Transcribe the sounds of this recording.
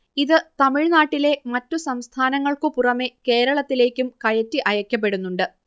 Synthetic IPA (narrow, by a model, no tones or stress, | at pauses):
iðɨt̪ɐmiɻnaːʈːile̞mɐtːusɐmst̪ʰaːnɐŋːɐɭkɨpurɐmeke̞ːɾɐɭɐt̪ːile̞ːkʲːumkɐjɐtːiʔɐjɐkʲːɐp̬ːe̞ɽunːuɳɖɨ